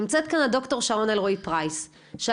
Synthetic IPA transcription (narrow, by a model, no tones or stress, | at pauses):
mt͡set̪̚kanado̞kto̞ʁʃaʁo̞nalʁoipʁajs | ʃ